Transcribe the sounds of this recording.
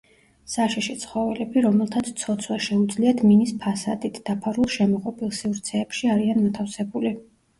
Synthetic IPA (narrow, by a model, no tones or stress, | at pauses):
saʃiʃit̪sʰχɔvɛlɛbiɾɔmɛlˠt̪ʰat̪sʰt̪sʰɔt̪sʰwaʃɛud̪zliat̪ʰminispʰasad̪it̪ʰd̪̥apʰaɾulˠʃɛmɔqʼɔpʰʼilˠsivɾt̪sʰɛːpʃiaɾianmat̪ʰafsɛbuli